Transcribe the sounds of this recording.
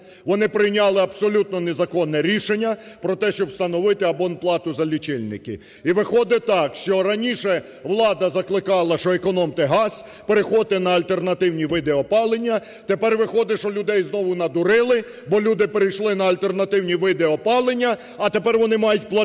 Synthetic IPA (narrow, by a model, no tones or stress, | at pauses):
ʋɔnɪpɾɪjnʲɑlˠɪɐbsɔlʲut̪̚nɔnezɐkɔnːɛɾʲiʃenʲːɐ | pɾɔt̪ɛʃt͡ʃɔbst̪ɐnɔʋɪt̪ɪɐbɔnplˠɑt̪ʊzɐlʲit͡ʃɪlʲnɪ̰kɪ̰ | iʋɪxɔd̪ɪt̪ɑkʃt͡ʃɔɾɐnʲiʃɛ | ʋlˠɑd̪ɐzɐklˠɪkɑlˠɐʃɔekɔnɔmt̪eɦɑsʲ | peɾexɔt̪ɪnɐɐlʲt̪e̞rnɐt̪ɪwnʲiʋɪd̪eɔpɑlˠenʲːɐ | t̪epɛrʋɪxɔd̪ɪʃɔlʲʊd̪ɛjznɔʋʊnɐd̪ʊɾɪlˠɪ | bɔlʲud̪ɪpeɾɪjʃlˠɪnɐɐlʲt̪e̞rnɐt̪ɪwnʲiʋɪd̪eɔpɑlˠenʲːɐː | t̪epɛrʋɔnɪmɑjʊt̚ʲplˠɐ